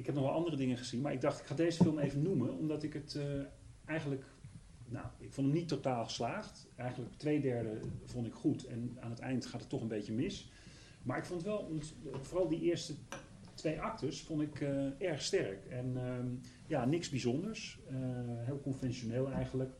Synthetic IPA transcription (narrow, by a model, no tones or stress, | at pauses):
ɪkɦɛpnɔχʋɛlˠɑndərədɪŋəχəzinmaːɹɪɡ̚dɑχtɪkχaːdejzəfɪlˠmejvənuməɔmdɑtɪkət | ɛjχənlək | na̰wɪkfɔntəmnitːotaːlˠχə̥slaːχt | ɛjχənləktʋejdɛɹdəv̥ɔntɪkχutɛnaːnətɛ̰jntχaːtətːɔχənbejcəmɪs | maːɹɪkfɔntətʋɛlˠɔntvʊːrɑlˠdiʔɪːɹstə | tʋejʔɑk̚təɹsfɔntɪkɛɹχstɛɹkɛn | jaːnɪkzbizɔndəɹsəɦeːlˠkɔnfɛnʃoneːlˠɛjχənlək